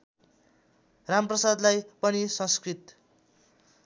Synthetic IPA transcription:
ramprʌsad̪lajpʌnisʌ̃nskrit̪

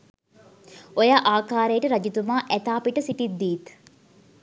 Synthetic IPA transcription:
ojaːʔaːkaːɾejəʈəɾɐd͡ʒit̪umaːʔæt̪aːpiʈəsiʈid̪ːiːt̪

